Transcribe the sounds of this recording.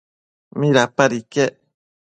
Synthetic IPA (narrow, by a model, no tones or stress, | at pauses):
mĩɾapaɾike